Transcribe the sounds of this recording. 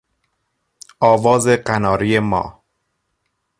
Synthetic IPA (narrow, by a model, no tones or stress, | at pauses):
ʔɒːvɒːze̞ɢænɒːɾijemɒ̰ː